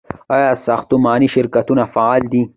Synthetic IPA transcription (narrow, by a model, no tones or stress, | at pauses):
ajasaxt̪umaːniʃɪɾkɐt̪unafaaːld̪i